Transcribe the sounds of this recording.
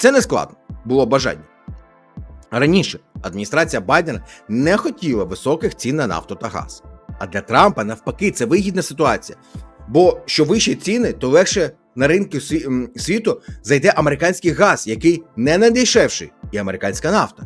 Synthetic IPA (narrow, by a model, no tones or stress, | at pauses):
t̪sɛnesklˠɑ̰d̪̚nɔbʊlˠɔbɐʒɑ̰nʲːɐ | rɐnʲiʃɛɐd̪̚mʲnʲist̪ɾɑt͡sʲijɐbɑjd̪enɐnɛxɔtʲilˠɐʋɪsɔkɪxt͡sʲinːɐnɑ̰fwt̪ɔt̪ɐɦɑ̰z̥ɐd̪lʲɐt̪ɾɑmpɐnɐwpɐkɪt̪sɛʋɪɦʲid̪nɐsɪt̪ʊɑt͡sʲijɐbɔʃt͡ʃɔʋɪʃit͡sʲinɪt̪ɔʋˠɛxʃɛ | nɐɾɪnkʊsʲʋʲit̪ʊzɐjd̪ɛʔɐmeɾɪkɑnʲsʲkɪjɣɑz̥jɐkɪjnɛnɛd̪ɪjʃɛwʃɪ̰jiɐmeɾɪkɑnʲsʲkɐnɑft̪ɐ̥